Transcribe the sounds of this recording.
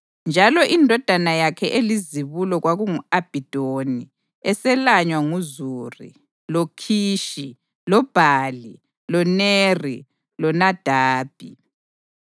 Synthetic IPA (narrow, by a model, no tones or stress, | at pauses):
nd͡ʒʱalɔʔindʱɔd̥ʱanajakʰɛʔeliziβulɔɣwaɣuŋuab̥ʱid̥ʱoni | ɛsɛlaɲwaŋuzuːrḭ | lokʰiːʃi | lɔb̥ʱaːli | lɔneri | lɔnad̥ʱaːb̥ʱi